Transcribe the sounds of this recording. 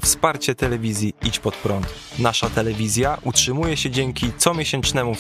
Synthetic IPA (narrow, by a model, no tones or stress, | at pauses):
fspaɾt͡ɕɛt̪ɛlɛvʲizʲjiit͡ɕpɔt̪pɾɔnt̪ | naʂat̪ɛlɛvʲizʲjaʔutʂɘmujɛɕɛd͡ʑɛŋkʲit̪sɔmʲjɛɕɛnt͡ʂnɛmu